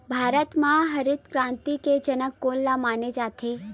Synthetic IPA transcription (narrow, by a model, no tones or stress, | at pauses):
bʱaːɾət̪mãɦəɾɪt̪kɾãːnt̪iked͡ʒənəkːolːamaːned͡ʒat̪ʰe